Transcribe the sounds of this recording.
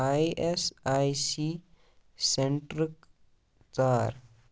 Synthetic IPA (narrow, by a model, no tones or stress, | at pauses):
ajʔesajsi | seɳʈɾik | t͡saɾ